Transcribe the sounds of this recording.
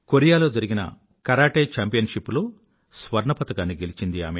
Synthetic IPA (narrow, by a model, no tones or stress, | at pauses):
koɾijaːlo̞ːd͡ʒɐɾiɡinɐ̰ | kɐɾaːʈeːt͡ʃaːmpijɐnʂipːuloː | sʋɐɾɳɐpɐt̪ɐkaːnːiɡe̞lit͡ʃind̪ia̰ːme